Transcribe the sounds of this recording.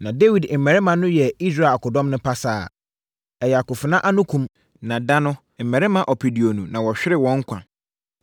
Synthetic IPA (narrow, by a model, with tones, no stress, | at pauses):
nã˨de˦wi˨dm̩˨mɛ˨ɾɛ˦mã˨nʊ̃˦jɛ˨i˦sɾa˦˨kʰʊ˨dɔ̃˦mnʊ̃˦pʰa˦saː˦˨ | ɛ˨jɛ˨a˨kʊ˨fɪ˨nã˦ʔa˦nʊ̃˦kʰũ˦m | nã˨da˦nʊ̃˦ | m̩˨mɛ̃˨ɾɪ˦mã˨ʔɔ˨pʰi˨di˨o˨nũ˨nã˨wɔ˨ɕᶣɪ˦ɾɪ˦˨wɔ̃˨˦ŋ̩˦kʷʰã̰˨